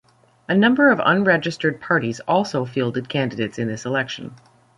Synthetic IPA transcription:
ɨnʌ̃mbə˞ʌvʌ̰̃nɹɛd͡ʒɨstə˞d̚pʰɑɹɾizɔlˠsoʊfilˠdɨd̚kʰæ̃ndɨdeɪtsɨ̃nðɪsəlɛkʃɨ̃n̩

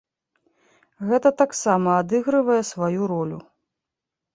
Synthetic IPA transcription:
ɣɛt̪ɐt̪aksamɐad̪ɨɣɾɨvɐjɛsvajuɾɔlʲu

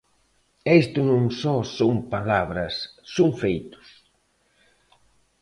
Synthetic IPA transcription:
est̪ʊnõŋsɔsoŋpalaβɾɐsːoŋfejt̪ʊ̥s

